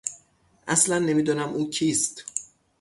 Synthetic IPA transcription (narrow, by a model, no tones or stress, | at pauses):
ʔæslænːe̞miːd̪unæmʔuːcʰiːst̪